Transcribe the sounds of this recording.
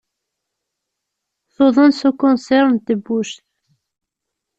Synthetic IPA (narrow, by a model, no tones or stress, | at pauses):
θoðˤənsukʊnsɛɾnt̪əbːuʃθ